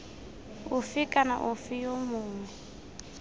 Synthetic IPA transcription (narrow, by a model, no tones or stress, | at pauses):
ufikʼana̰ʔufijomʊːŋwɛ